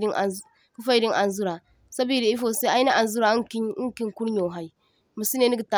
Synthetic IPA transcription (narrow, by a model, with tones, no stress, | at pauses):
i˦n˨˦ | ku˦fa˦i˦di˦ŋʔa˨n˨zu˦ɾa˨ | sa˦bi˦di˨i˦fo˦˨sa˦a˦i˦na˦ʔa˨n˨zu˦ɾa˨˦ki˦i˦ŋki˦ŋku˦ɾɲo˨ɦa˨i˨ | mə˨si˦ne˦ni˦ɡi˨ta˨